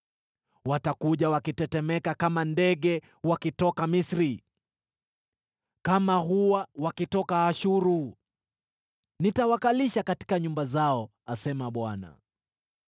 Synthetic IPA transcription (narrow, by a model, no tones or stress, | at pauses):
watakuʄawakitɛtɛmɛkakamandɛɠɛ | wakitɔkamisɾi | kamaɦuwawakitɔkaːʃuɾu | nitawakaliʃakati̥kaɲumbazaɔ | asɛmaɓwana̰